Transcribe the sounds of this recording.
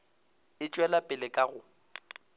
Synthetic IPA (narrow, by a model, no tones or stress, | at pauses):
ɪt͡ʃʼwɛlapʼɪlɪkʼaɣʊ